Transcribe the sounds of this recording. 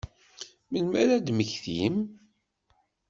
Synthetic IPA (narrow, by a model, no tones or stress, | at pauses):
məlmæɾæd̪məçθḭm